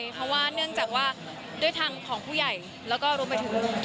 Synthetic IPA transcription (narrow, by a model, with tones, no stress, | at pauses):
jpʰɾɔ˦˥waː˥˩nɯ˥˩əŋt͡ɕaː˨˩k̚waː˥˩ | du˥˩jt̪ʰaː˧ŋkʰɔː˩˦ŋpʰuː˥˩ja˨˩j | lɛː˦˥wkɔː˥˩ɾu˧əmpa˧jt̪ʰɯ˩˦ŋ